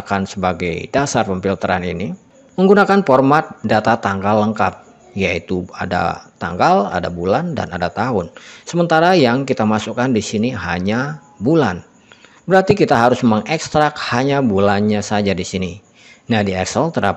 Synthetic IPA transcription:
kansəbaɡa̰jdasarpəmpilt̪əɾa̰nḭni | məŋɡunakanfɔrmat̪̚dat̪at̪aŋɡalːəŋkap̚ | jait̪ua̰da̰t̪a̰ŋɡala̰dabulanda̰na̰dat̪aɦʊnsəmənt̪aɾajaŋkit̪amasukandisiniɦaɲa | bulan | bəɾart̪ikit̪aɦaɾʊsmemaŋɛkst̪ɾak̚haɲabulanɲasad͡ʒadisini | nahdiɛksəlt̪əɾa̰

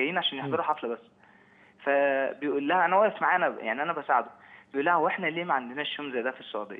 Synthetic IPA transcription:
æjːiːnʕaʃæːnjeħd̪ˤɑɾuħɑflæbæsː | fæbejʔuːlːæhæʔænæwæʔefmaʕaːænæjaʕniʔænæbæsaʕed̪obejʔulːæhæhweħnæleːmæʕand̪enæʃːoːmzæjːæd̪æfisˤːoʕṵd̪ḛjː

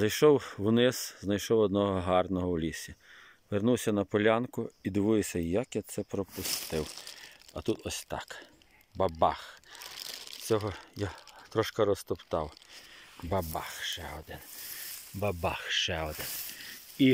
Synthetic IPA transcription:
zɐjʃɔwwnɪz̥znɐjʃɔwɔd̪nɔɦɔɦɑrnɔɦɔwlʲisʲi | ʋernuwsʲɐnɐpɔlʲankʊid̪ɪʋʊjesʲɐjɐkjɐt̪sɛpɾɔpʊst̪ɪwɐt̪ut̪ɔsʲt̪ɑ̰k | bɐbɑx | t͡sʲɔɦɔjat̪ɾɔʃkɐɾɔst̪ʊpt̪ɑw | bɐbɑ̰xʃɛɔd̪ɪnbɐbɑxʃɛɔd̪ɪn | i

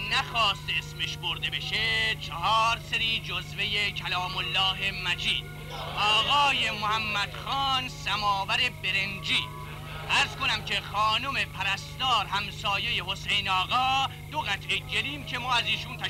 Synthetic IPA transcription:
næxɒːst̪esmeʃboɾd̪e̞beʃet͡ʃʰeɦɒːɾseɾiːd͡ʒozve̞jecʰælɒːmolːɒːɦe̞mæd͡ʒiːd̪̥̚ | ʔɒːɣɒːjemohæmːæd̪̥xɑːnsæmɒːvæɾe̞be̞ɾend͡ʒiː | ʔæɾz̥ko̞næmcʰe̞xɒːnome̞pʰæɾæst̪ɒːɾhæmsɒːje̞jeho̞sejnɒːɣɒː | d̪oɣæt̪ʰʔeɟeliːmcʰe̞mɒːæziːʃunt̪ʰæʃ

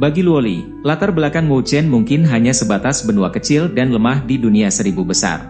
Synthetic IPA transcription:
baɡiluolḭ | lat̪arbəlakanmot͡ʃɛnmuŋkɪnɦaɲasəbat̪asbənuakət͡ʃɪldanləmahdiduniasəɾibubəsa̰r

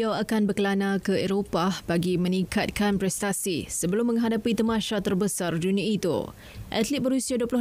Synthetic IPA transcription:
awakanbərkəlanãkəeɾopahb̥aɡimə̃nĩŋkat̪̚kanpɾɛst̪asisəbəlʊmːə̃ŋɦadapit̪əmãʃat̪ərbəsardunĩait̪ṵ | ʔa̰t̪lit̪̚bəɾusiaduəplʊh

